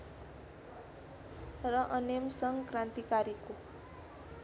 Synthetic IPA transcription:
rʌʔʌnemsʌŋkrant̪ikaɾiko

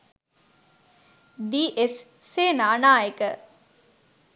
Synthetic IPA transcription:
d̪iːʔesː | eːnaːnaːjekə

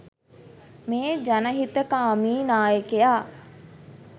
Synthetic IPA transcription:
meːd͡ʒanəɦit̪əkaːmiːnaːjəkejaː

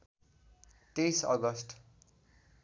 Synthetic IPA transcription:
t̪ejsʌ̰ɡʌsʈ

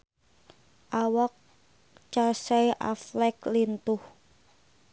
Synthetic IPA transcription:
ʔawɔk̚ | t͡ʃasɛjʔa̰flɛklint̪ʊh

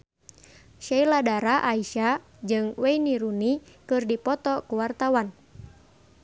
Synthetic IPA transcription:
ʃailadaɾaʔaiʃa | d͡ʒɨŋwɛiniɾunikɨrdipɔt̪ɔkuwart̪awan

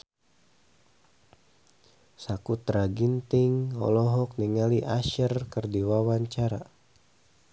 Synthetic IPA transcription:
sakut̪ɾaɡint̪iŋɔ̰lɔɦɔk̚niŋaliʔaʃərkɨrdiwawaɲt͡ʃaɾa

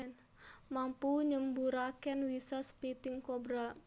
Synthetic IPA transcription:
n | mampuɲəmbuɾakɛnwisɔspit̪ɪŋkobɾa

